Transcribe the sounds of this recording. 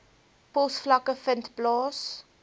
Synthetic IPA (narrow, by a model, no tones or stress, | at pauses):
pɔsflɐkəfəntblɑːs